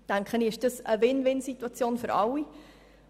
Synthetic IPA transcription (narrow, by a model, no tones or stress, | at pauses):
d̥æŋkχəniɪʃd̥əsəʋɪnʋɪnsitwɑt͡sjoːnfʏɾɑlːi